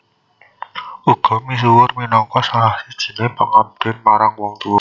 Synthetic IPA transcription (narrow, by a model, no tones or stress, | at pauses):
uɡ̥ɔ̤mis̬uwʊrminɔŋkɔsalahsid̥ʒ̥i̤̥nepəŋab̚d̪̥ɪnmaɾaŋwɔŋt̪uwɔ